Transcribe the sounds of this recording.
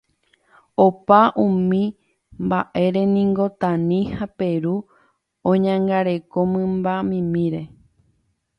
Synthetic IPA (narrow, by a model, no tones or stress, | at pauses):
opaʔũmĩ | mbaʔe̞ɾe̞nĩŋɡo̞t̪ãnĩhape̞ɾu | õɲãŋɡaɾe̞ko̞mɨ̃mbamĩmĩɾe̞